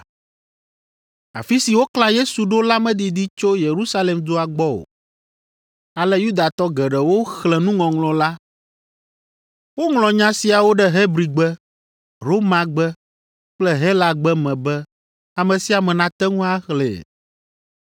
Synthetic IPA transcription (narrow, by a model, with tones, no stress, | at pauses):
a̰˨fi˦si˨wo˦klã˦je˦su˨ɖo˦la˦mɛ̃˦d̪i˨d̪i˦t͡ʃo˦je˨ɾu˦sa˦le˨md̪o˦a˨ɡ͡bɔ˦o̰˨ | a˨lɛ˦ju˦d̪a˨t̪ɔ˦ɡɛ˨ɖɛ˨wo˦xlɛ˨nũ˦ŋɔ̃˨ŋlɔ̃˨la˦ | wo˦ŋlɔ̃˨ɲã˦si˨a˨wo˦ɖɛ˦ɦe˦bɾi˨ɡ͡bɛ˦ | ɾo˦mã˨ɡ͡bɛ˦ | k͡plɛ˦ɦɛ˦la˦ɡ͡bɛ˦mɛ̃˨bɛ˦ | a˨mɛ̃˨si˨˦a˨mɛ̃˨nã˨t̪ɛ˦ŋũ˦a˦xlɛ̰˨